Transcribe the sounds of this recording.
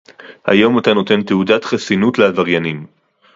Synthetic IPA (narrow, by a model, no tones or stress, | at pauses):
ha̰jo̞matano̞te̞nt̪eudatχasinutleavaʁjanim